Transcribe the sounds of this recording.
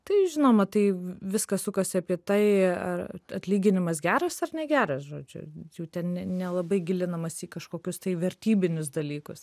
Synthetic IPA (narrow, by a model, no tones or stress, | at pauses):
t̪ɐɪʒʲɪnoːmɐt̪ɐɪʋʲɪskɐsʊkɐsʲɪɐpʲiɛt̪ɐɪɐ̰rɐt̪ʲlʲiːɡʲɪnʲɪmɐs̬ɡʲæːɾɐsɐrnʲɛɡʲæːɾɐsʒoːd͡ʒʲʊ̰jɛʊt̪ʲɛnnʲɛnʲɛlˠɐbɐɪɡʲɪlʲɪnɐmɐsiːkɐʃkoːkʲʊst̪ɐɪʋʲɛɾʲt̪ʲiːbʲɪnʲʊsd̪ɐlʲiːkʊs